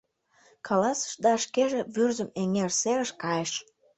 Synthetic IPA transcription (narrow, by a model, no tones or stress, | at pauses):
kʰɑlɑsə̥ʃd̪ɑʃkeʒĕβyrzə̆meŋerseɣə̆ʃkɑjəʃ